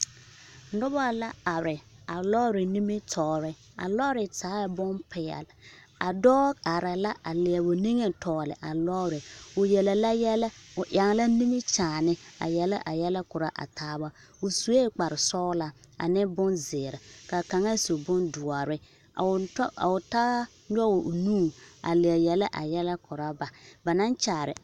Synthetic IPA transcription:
nʊ˦ba˦la˦a˨ɾɪ˨a˨lɔː˦ɾɪ˨ni˦mi˦tʰɔː˨ɾɪ˨ | a̰˨lɔ˦ɾɪ˨taː˨˦jbʊ˦npɪ˨jɛ̰˨l | a˨dɔː˦ka˨ɾa˨la˦ʔa˨lɪ˨ɛ˨bʊ˨ni˦ŋe˨tʰɔː˨lɪ̰˨ʔa˨lɔː˦ɾɪ˨ʊ˨jɛ˨lɛ˨la˦jɛ˦la˦ʊ˨ʔa˨ŋ˨˦la˦ni˦mi˦t͡ʃaː˨nɪ˦a̰˨jɛ˦la˦ʔa˨jɛ˦la˦kʊ˨ɾa˦ʔa̰˨taː˦ba˦ | ʊ˨su˨e˦k͡pa˨ɾɪ˨sɔː˦la˨ | a̰˨nɪ˦bʊ˦nzɪ˨ɾɪ˨ka˨ka˨ŋa˦so˨bʊ˦ndʊ˨a˨ɾɪ˦˨˦ | a̰˨ʊ˨ta˦ | ɲɔ˦˨nuː˦˨a̰˨lɪ˨ɛ˨jɛ˨la˦ʔa̰˨jɛ˦la˦kʊ˨ɾa˦ba˨ba˨na˦nt͡ʃaː˨ɾɪ̰˨

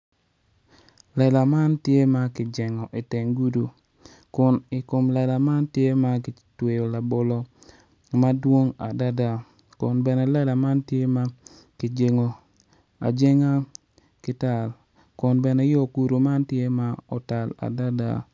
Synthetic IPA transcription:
lɛ˨la˨ma˦ntje˦ma˦kɪ˨d͡ʒɛ˨ŋɔ˨ʔi˨tɪ˨ŋɡu˦du˨ | kʊ˨nɪ˨ko˨mlɛ˨la˨ma˦ntje˦ma˦kɪ˨twe˨jo˨la˨bo˨lɔ˨ | ma˦dwo˦ŋa˨da˦da˨ | kʊ˨nbɛ˨nɛ˨lɛ˦la˨ma˦ntje˦ma˦ | kɪ˨d͡ʒe˨ŋo˨ | a̰˨d͡ʒe˦ŋa˦ | kɪ˦ta˨l | kʊ˨nbɛ˨nɛ˨˦jɔ˦˨ku˨ɾo˨ma˦ntje˦ma˦ɔ˨ta˨la̰˨da˦da̰˨

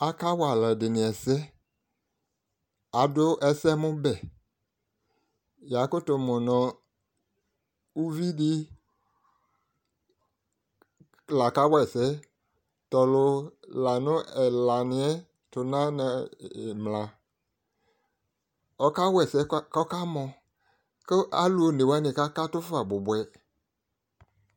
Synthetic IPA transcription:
a˨ka˦wa˨lɛ˨dɪ˨nɪ̃˨ɛ˨sɛ˦ | a˨dʊ˦ʔɛ˦sɛ˦mʊ̃˦bɛ˨ | ja˨˦kʊ˦tʊ˨mɔ̃˨nɔ̃˨ | u˦vi˦dɪ˦ | la˨ka˦wɛ˨sɛ˦ | tɔ˨lʊ˧la˨nʊ̃˦ɛ˨la˨nɪ˨ɛ˦ | tʊ˨nã˦na˨mlã˨ | ɔ˦ka˦wɛ˨sɛ˨˦kɔ˦ka˦mɔ̃˨ | kɪ˦ʔa˦lu˦o˨ne˨wa˦nɪ̃˨ka˦ka˦tʊ˦fa˨bʊ˨bwɛ˨

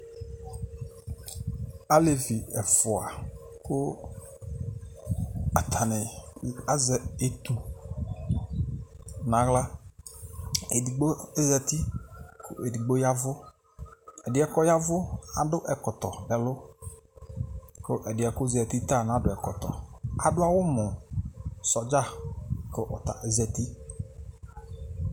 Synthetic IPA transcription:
a˦le˨vi˨ɛ˨fʊ˨a˨kʊ˦ | a˨t̪ʰa˨nɪ˨a˦zɛ˨e˨t̪u˨ | nã˨˦ɣla˦ | e˨di˨ɡ͡bo˦e˦ɣɛ˨t̪i˦kʰʊ̰˨ʔe˨di˨ɡ͡bo˦ja˦vʊ˦ | ɛ˨dɪ˨˦ɛ˦kɔ˦ja˦vʊ˦a˨dʊ˦ʔɛ˨kɔ˨t̪ɔ˨bɛ˨lʊ˦ | kʊ˦ʔɛ˨dɪ˨ɛ˨kʊ˦zɛ˨t̪i˦t̪a˦˨n˨a˨˦dʊ˨ɛ˨kɔ˨t̪ɔ̰˨a˨dʊ˦a˨wʊ˦mʊ˨ | sɔ˨d͡ʒa˦˨kɪ˦ʔɔ˨t̪a̰˨ʔɛ˨zɛ˨ti˦

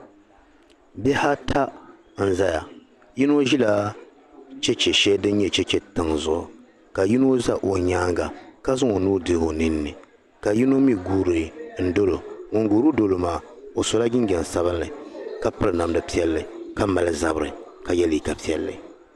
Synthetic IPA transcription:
bɛ˦ha˦tʰa˦ | n̩˦˨za˦ja˨ | ji˦n˦o˦ʒi˦la˦ | t͡ʃɛ˦t͡ʃɛ˨ʃɛ˦dɨ˦n˦ɲɛ˦˨t͡ʃɛ˦t͡ʃɛ˦tɨ˨ŋzʊ˦ʔʊ̰˨ | ka˨ji˦no˦za˦ʔo˨ɲaː˦ŋɡa˨ka˦zʊ˦ŋo˨nuː˦dɨ˦ho˨nɨ˦nːɨ˨ | ka˨ji˦no˦mi˦ɡuː˨ɾɨ˨n̩˦do˦lo˨ŋo˨ŋɡuː˨ɾu˦do˨lo˨maː˨o˨so˨la˦ɡʲɪ˦nɡʲɛ˨n˨sa˦βɨ˦nlɨ˨ka˦pɨ˦ɾɨ˨na˨m˨dɨ˨pi˦ɛ˦lːɨ˨ka˦ma˨lɨ˦za˦bɾɨ̰˨ | ka˨jɛ˦li˨ka˨pi˨˦ɛ̰˨lːɨ̰˨

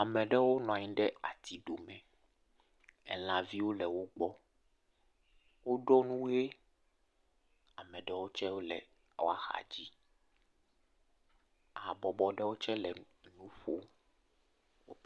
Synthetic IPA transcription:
a˨mɛ̃˨ɖɛ˦wo˦nɔ̃˨a˨ɲĩ˦ɖɛ˦a̰˨t̪ʰi˨ɖo˨mɛ̃˨ | ɛ̰˨l̃ã˨vi˦wo˦lɛ˨wo˦ɡ͡bɔ˦ | wo˦ɖɔ˦nũ˦e˦ | a˨mɛ̃˨ɖɛ˦wo˦t͡ʃɛ˦wo˦lɛ̰˨ | wa˨xa̰˨d͡ʑi˦ | a˨bɔ˨bɔ˨ɖɛ˦wo˦t͡ʃɛ˦lɛ˨ | nũ˦ɸo˦ | wo̰˦

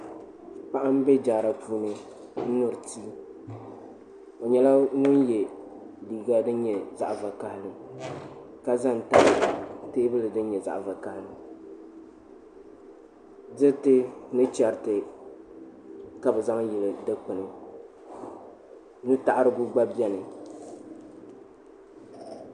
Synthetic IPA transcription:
k͡pa˦ʔa˦m˦bɛ˦d͡ʒaː˨ɾa˨puː˦nɨ˨ | n̩˦nʊ˨ɾɨ˨tʰiː˦ | o˨ɲɛ˨la˦ŋʊ˦njɛ˨ | liː˨ɡa˦dɨ˦n˦ɲɛ˨za˦ʔva˨ka˨hɪ˦lɨ˨ | ka˦za˦n˨ta̰˦˨ʔɨ˨teː˦bɨ˦lɨ˨dɨ˦n˦ɲɛ˨za̰˨ʔva˨ka˨˦hɪ˨lɨ˨m | dɨ˦tɨ˦nɨ˦t͡ʃɛ˨ɾtɨ˨ | ka˨bɨ˨za˦ŋ˦jɪ˨lɨ˨dɨ˦k͡pɨ˨nɨ˨ | nɨ˦ta˨ʔɾɨ˦ɡʊ˦ɡ͡ba˦bɛ˦nɨ˨

